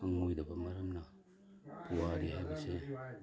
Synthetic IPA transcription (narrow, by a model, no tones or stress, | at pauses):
aŋojdɐbɐmɐɾɐmna | puwaɾiɦajbɐse